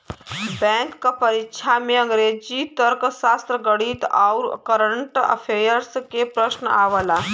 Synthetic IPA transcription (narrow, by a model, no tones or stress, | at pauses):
bɛ̃ŋkːapəɾikʃʰameə̃ŋɡɾed͡ʑit̪əɾksast̪ɾəɡəɽiːt̪awɾkəɾəɳʈə̰fʰejəɾskepɾəɕnə̰ʔaʋəla